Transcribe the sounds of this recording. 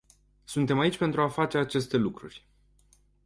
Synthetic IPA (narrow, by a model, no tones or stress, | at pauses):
sunt̪e̞mait͡ʃʲpe̞nt̪ɾuafat͡ʃe̞at͡ʃe̞st̪e̞lukɾurʲ